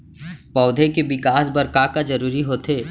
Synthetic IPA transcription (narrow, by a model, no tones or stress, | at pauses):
pɔːd̪ʱekeʋɪkaːsbɐɾkaːkad͡ʒɐɾuːɾiɦoːt̪ʰeː